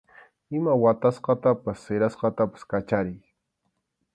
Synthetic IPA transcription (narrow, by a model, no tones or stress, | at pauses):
ɪmawat̪asqɑt̪apasːɪɾasqɑt̪apḁskat͡ʃaɾɪj